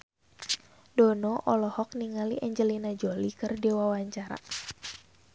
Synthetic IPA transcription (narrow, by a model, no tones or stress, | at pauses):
dɔnɔʔɔlɔhɔk̚niŋaliʔɛɲd͡ʒəlinad͡ʒɔlikɨrdiwawaɲt͡ʃaɾa̰